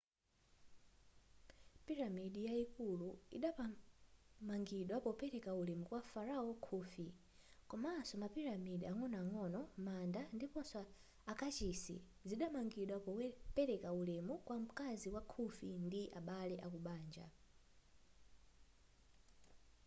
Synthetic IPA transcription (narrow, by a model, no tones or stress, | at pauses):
piɾamiɗijaikuluḭɗapa | maŋɡiɗwapɔpɛɾɛkaulɛmukwafaɾaɔkʰuːfi | kɔmaːsɔmapiɾamiɗiaŋɔnaŋɔnɔmandandipɔnsɔ | akat͡ʃisḭ | ziɗamaŋɡiɗwapɔpɛɾɛkaulɛmukwam̩kaziwakʰufindiaɓalɛʔakuɓaːnd͡ʒa̰